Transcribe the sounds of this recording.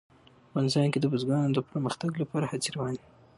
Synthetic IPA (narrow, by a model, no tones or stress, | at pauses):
ɑnɪzɑjnked̪əbəzɡɑnod̪əpəɾməxt̪aɡlapɑɾahaziɾawɑni